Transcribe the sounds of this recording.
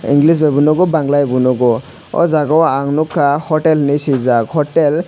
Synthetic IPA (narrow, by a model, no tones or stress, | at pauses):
ḭŋɡlis̬bebunɔɡɔbaŋlajbunɔɡɔ | ɔ̰zaɡɔwaaŋnukʰːahɔtelnisizakhɔtel